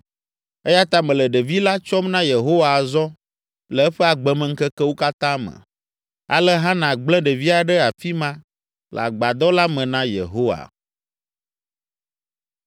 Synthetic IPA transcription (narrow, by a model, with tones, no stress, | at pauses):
e˦ja˦t̪a˦mɛ̃˨lɛ˨ɖe˨vi˦la˦t͡ʃɔ˦mnã˦je˨ɦo˦wa˨zɔ˦ | lɛ˨ɛ˦ɸɛ˦a˨ɡ͡bɛ˨mɛ̃˨ŋ̩˦kɛ˦kɛ˦wo˦ka˦t̪ã˦mə̰̃˨ | a̰˨lɛ˦ɦã˦nã˨ɡ͡blɛ̃˦ɖe˨vi˦a˨ɖɛ˦a˨fi˦mã˦ | l̰a̰˨ɡ͡ba˨d̪ɔ˦la˦mɛ̃˨nã˦jḛ˨ɦo˦wa̰˨